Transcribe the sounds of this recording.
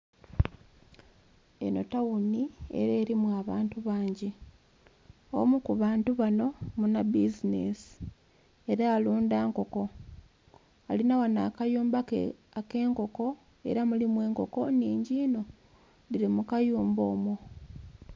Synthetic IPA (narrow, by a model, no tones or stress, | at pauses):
eno̞̰tawunie̞̰ɾe̞ːɾimwaːβaːntuβaːɲɟe | o̰mukuβaːntuβano̞munabizinḛsi̥ | eɾaːluːndaːŋko̞ko̞ | alinawana̰kajuːmba | ake̞ːŋko̞ko̞ | e̞̰ɾamulimwe̞ːŋko̞ko̞niːɲɟiːno̞ | diɾimukajuːmbo̞ːmo